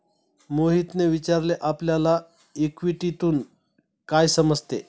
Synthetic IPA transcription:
moɦit̪neʋit͡ɕaɾleʔapljala | ikʋiʈit̪uːn | kajsəməd͡zʱt̪e

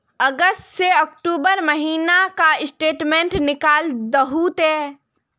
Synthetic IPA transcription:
əɡəstseɔk̚ʈuːbəɾməɦiːnakaɪsʈeːʈmẽːɳʈnɪkaːld̪əɦut̪ɛː

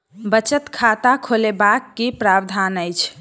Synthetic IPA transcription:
bət͡ʃət̪kʰat̪akʰolebakːipɾabd̪ʱanəjt͡ʃʰ

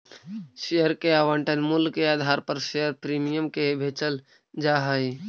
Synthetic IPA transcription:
ʃejəɾkeaːʋəɳʈənmʊlkeaːd̪ʱaːɾpəɾʃejəɾpɾiːmɪjəmkebʱeːt͡ʃəl | d͡ʒaːɦəi

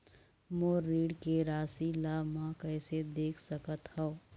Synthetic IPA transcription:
moːɾiːɽkeɾaːsilamãkɐːsed̪eːkʰsɐkət̪hɛoː

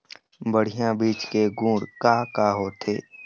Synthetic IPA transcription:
bəɽ̤ijãbiːt͡ʃkeɡũːɽkaːkaːɦoːt̪ʰeː

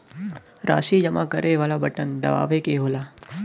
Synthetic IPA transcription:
ɾa̰ːʃiːd͡ʒəmãkəɾeʋalabəʈənd̪ə̰ʋa̰ːʋekeɦoːla

